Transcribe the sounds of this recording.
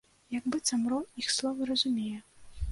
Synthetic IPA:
jɐɡbɨt̪samɾɔixslˠɔvɨɾɐzumʲejɛ

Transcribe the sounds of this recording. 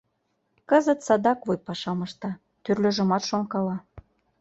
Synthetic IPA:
kəzə̆t̪sɑd̪ɑkβojpɑʃɑmɤ̆ʃt̪ɑ | t̪yrlø̆ʒə̆mɑt̪ʃoŋkɑlɑ

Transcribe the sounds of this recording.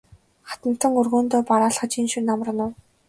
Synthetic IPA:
χḁt̪ə̆n̥t̪ə̆ŋɵrɣoːnt̪oːpaɾaːɮχə̆t͡ɕinʃunamrə̆nʊw

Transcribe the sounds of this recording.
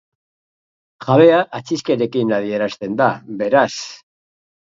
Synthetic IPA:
ʝaβe̞aʔat͡siske̞ɾe̞kinað̞ie̞ɾast̪e̞nd̪aβe̞ɾas

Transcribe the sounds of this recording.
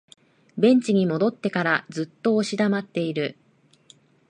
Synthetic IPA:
bẽ̞ɲ̟t͡ɕiɲ̟imo̞d̪o̞t̪ːe̞kaɾazɨt̪ːo̞ːɕid̪amat̪ːe̞iɾɯ̟

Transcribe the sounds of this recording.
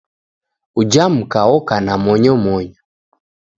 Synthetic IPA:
ud͡ʒam̩kaɔkanamɔɲɔmɔɲɔ

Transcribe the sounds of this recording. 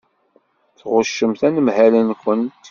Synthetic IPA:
θʁʊʃːəmθænəmhælənkʷənt̪

